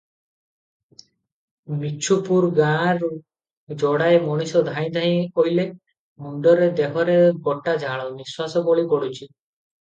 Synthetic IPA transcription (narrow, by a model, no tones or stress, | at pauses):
mit͡ʃʰupuɾɡãɾu | d͡ʒɔɽaemɔɽ̃isɔd̪ʱaj̃d̪ʱaj̃ojle | muɳɖɔɾed̪eɦɔɾeɡɔʈad͡ʒʱaɭ̃ɔniswasɔboɭikɔɽut͡ʃʰi